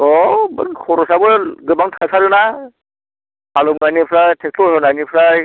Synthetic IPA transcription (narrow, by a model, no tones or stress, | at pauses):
ɔbɯnkʰɔɾɔsabɯɡɯbaŋtʰasaɾɯna | alɔmɡajnipʰɾajtʰek̚sʰlɔsɔnanipʰɾaj